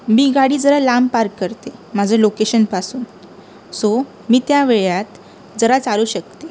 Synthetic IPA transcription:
miːɡaɽiːd͡zəɾalampaɾkːəɾt̪emad͡zʱəlokeɕənpasuːn | so | miːt̪jaʋeɭjat̪ | d͡zəɾat͡saluɕək̚t̪e

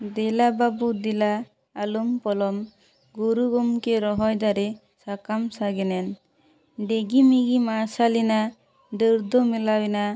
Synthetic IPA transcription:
d̪ɛlababud̪ilaː | lumpɔlɔm | ɡuɾuɡɔmkeɾɔɦɔjd̪aɾɛ | sakamsaɡɛnɛn | ɖeɡimiɡimasalina | dɯɾd̪ɔmilawina

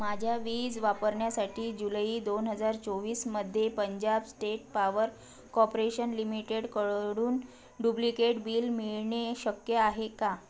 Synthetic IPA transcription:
mad͡ʑʱjaʋiːd͡zʋapəɾɳjasaʈʰiːd͡ʑulaiːd̪onɦəd͡zaɾt͡soʋiːsməd̪ʱːjepəɲd͡ʑabsʈeʈ̚paʋəɾ | kɔpɾeɕənlimiʈeɽkəɽuːn | ɖublikeʈbiːlmiɭɳeɕəkjəaɦeka

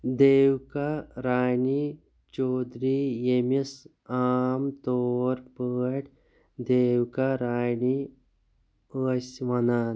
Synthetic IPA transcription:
d̪eːwkaɾaːjɳi | t͡ʃoːd̪ɾijemis | aːmt̪oɾpəːʈ | d̪eːwkaɾaːjɳi | əsʋɐnaːn

